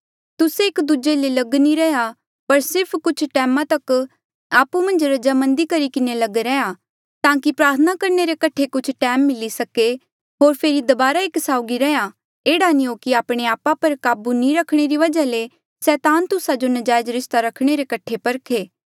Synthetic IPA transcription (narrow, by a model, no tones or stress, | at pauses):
t̪ʊseːkd̪ud͡ʒelelɐɡniɾɛːja | pɐɾsɪɾpʰkʊt͡ʃʰʈɛːmãt̪ɐk | aːpumɐ̃nd͡ʒɾɐd͡ʒamɐ̃nd̪ikɐɾikɪnelɐɡeɾɛja | t̪ãːkipɾaːɾt̪ʰənakɐɾneɾekɐʈʰekʊt͡ʃʰʈɛːmːɪlisɐke | ɦoːɾpʰeːɾid̪ɐbaːɾaeksaːʊɡiɾɛja | eːɽanĩokiaːpɽ̃eaːpapɐɾkaːbunĩɾɐkʰɽ̃eɾiʋɐd͡ʒale | sɛːt̪aːnt̪ʊsad͡ʒonɐd͡ʒaːjd͡ʒɾɪst̪aɾɐkʰɽ̃eɾekɐʈʰːepɐɾkʰeː